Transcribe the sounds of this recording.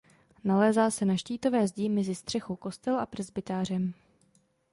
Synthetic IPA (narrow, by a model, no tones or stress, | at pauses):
nalɛːzaːsɛnaʃciːt̪o̞vɛːzɟɪmɛzɪst̪r̝̥ɛxowko̞st̪ɛlʔapr̩zbɪt̪aːr̝ɛm